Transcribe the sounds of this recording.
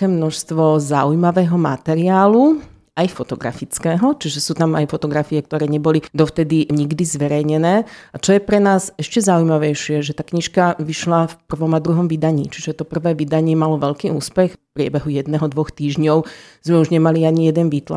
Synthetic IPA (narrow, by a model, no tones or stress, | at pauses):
kɛːmnɔʃst̪ʋɔzaujmaʋɛːɦɔma̰t̪ɛɾiaːlu | ajfɔt̪ɔɡɾa̰fit͡skɛːɦɔt͡ʃiʒɛsuːt̪ama̰jfɔt̪ɔɡɾafiɛk̚t̪ɔɾɛːɲɛbɔlid̪ɔft̪ɛd̪iɲiɡd̪izʋɛɾɛjɲɛnɛːat͡ʃɔjɛpɾɛnaːzɛʃcɛzaujmaʋɛjʃɪɛʒɛt̪akɲiʃkaʋiʃlafpr̩ʋɔmad̪ɾuɦɔmʋid̪aɲḭːt͡ʃiʒɛt̪ɔpr̩ʋɛːʋid̪aɲɪɛmalɔʋɛʎkiːuːspɛxfpɾɪɛ̰bɛɦujɛd̪nɛɦɔd̪ʋɔxt̪iːʒɲɔʊz̥mɛuʒɲɛmaliaɲijɛd̪ɛnʋiːt̪la̰